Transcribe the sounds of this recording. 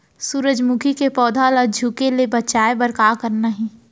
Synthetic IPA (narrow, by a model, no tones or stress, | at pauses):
suːɾəd͡ʒmukʰikepɔːd̪ʱaːləd͡ʒʱukelebɐt͡ʃaːebɐɾkaːkəɾnaɦĩː